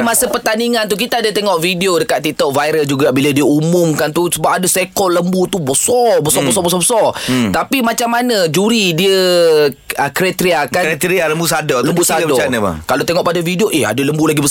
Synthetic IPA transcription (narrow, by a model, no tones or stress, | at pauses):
masəpərt̪aniŋant̪uk̬it̪aadat̪eŋɔʔfidiodəkat̪ːit̪ɔʔ̚vajɾəld͡ʒuɡabiladiəumʊmkant̪usəbap̚adəsekɔləmbut̪ubəsɔbəsɔbəsɔbəs̬ɔbəsɔt̪apimat͡ʃamːanəd͡ʒuɾidiə | əkɾet̪ɾiakanet̪ɾialəmbusadɔləmbbusaədɔanəa̰kalot̪eŋɔʔpadafidioʔeha̰dələmbulaɡibəs